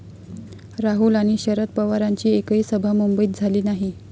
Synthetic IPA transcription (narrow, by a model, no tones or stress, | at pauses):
ɾaɦulaɽ̃iɕəɾət̪̚pəʋaɾaɲt͡ɕiːekiːsəbʱamumbəiːt̪̚d͡zʱaliːnaɦi